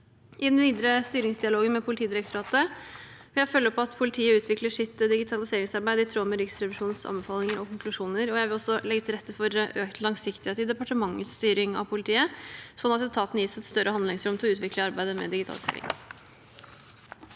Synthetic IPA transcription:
ʔɪd̪ɛnʋiːd̪əɾəst̪yːɾɪŋsd̪ɪɑloːɡənmɛpʰʊlɪt̪iːd̪ɪɾəkt̪ʊɾɑːt̪əʋɪljæɪfœlːəpʰɔɑt̪pʰʊlɪt̪ʰiːəʉːt̪ʰʋɪkləʂɪt̪ːəd̪ɪɡɪt̪ʰɑlɪseːɾɪŋsɑɾbæɪd̪əɪt̪ʰɾoːməɾɪːksɾɛʋɪʂuːnsɑ̰nbəfɑːlɪŋəɾɔkʰʊŋklʉʂuːnəɾɔjæɪʋɪlɔsːɔlɛɡːət̪ʰɪlɾɛt̪ːəfɔɾøːkt̪lɑŋsɪkt̪ɪheːt̪ɪd̪ɛpɑʈəmɑŋːət̪st̪yːɾɪŋɑ̰ʋpʰʊlɪt̪ʰiːəsɔnːɑt̪ːɛt̪ʰɑːt̪njiːsæɛt̪st̪œɾəɑnd̪lɪŋsɾʉmt̪ʰɪlɔʉːt̪ʋɪkləɑɾbæɪd̪əmɛ̰d̪ɪɡɪt̪ʰɑ̰lɪsḛːɾɪ̰ŋ

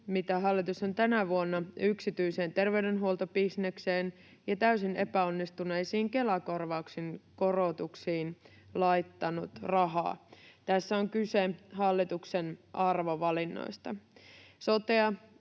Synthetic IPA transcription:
mit̪æɦɑlːit̪uso̞nt̪ænæʋuonːɑyksit̪yjse̞ːnt̪e̞rʋe̞ydenɦuolt̪obisnekseːn | jɑt̪æɥsine̞pæonːist̪une̞jsiːŋke̞lɑko̞rʋɑuksinko̞ro̞t̪uksiːn | lɑjt̪ːɑnut̪rɑɦɑ̰ːt̪æsːæoŋkyseɦɑlːit̪uksenʔɑrʋo̞ʋɑlinːo̰jst̪ɑso̞t̪eɑ

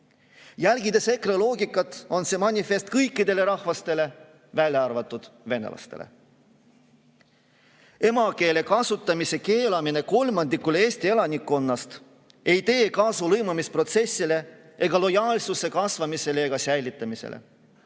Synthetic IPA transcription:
jælɡid̪e̞se̞krelo̞ːɡikːˑɑt̪ːˑo̞nse̞mɑnʲife̞st̪kɤjkːid̪e̞le̞ɾɑhvɑst̪e̞le̞ | vælʲjɑɑrvɑt̪ːˑud̪̥ve̞nḛlʔɑ̰st̪e̞̰lḛ | e̞mɑke̞ːle̞kɑsut̪ːˑɑmise̞ke̞ːlɑmine̞ko̞lmɑnd̪ikːˑule̞ːsʲt̪ie̞lɑnʲikːˑo̞nːɑst̪ | e̞jt̪e̞ːkɑːsulɤjmɑmispro̞t̪se̞sːile̞ | ʔe̞ɡ̥ɑlo̞jɑːlsuse̞kɑsvɑmise̞leeɡɑsæjlit̪ˑːɑmisḛlʔḛ

